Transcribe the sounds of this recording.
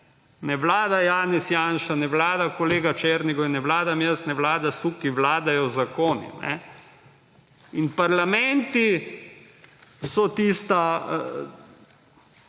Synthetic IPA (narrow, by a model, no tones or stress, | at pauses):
nɛʋlaːd̪ajaːnɛsjaːnʃanɛʋlaːd̪akɔleːɡat͡ʃeːɾniɡɔinɛʋlaːd̪amjəsnɛʋlaːd̪asukiʋlaːd̪ajɔzakoːnḭnɛ̰ | inpaɾlamɛnt̪i | sɔt̪ist̪a